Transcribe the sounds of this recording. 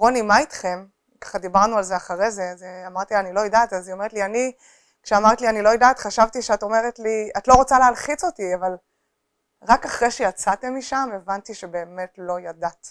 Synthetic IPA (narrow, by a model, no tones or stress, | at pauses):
ʁonimait̪χe̞m | kḁχad̪ibaʁnualzeaχaʁezezeamaʁt̪ianilo̞jedataziomeetliani | kʃeamaʁtlianilo̞jedatχaʃavt̪iʃeato̞meʁetliatlo̞ʁot͡saleɦalχit͡so̞tiaval | ʁakaχʁeʃejat͡sate̞mːiʃame̞vantiʃebe̞ːme̞tlo̞jadat